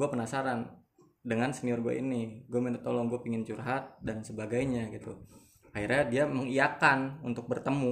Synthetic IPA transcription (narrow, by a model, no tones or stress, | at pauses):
ɡuapənasaɾan | dəŋansəniɔrɡua̰ḭniɡuaminət̪ːolɔŋɡuapiŋɪnt͡ʃurɦat̪̚dansəbaɡajɲaɡit̪u | ahirɲadiaməŋijakanunt̪ʊk̚bərt̪əmu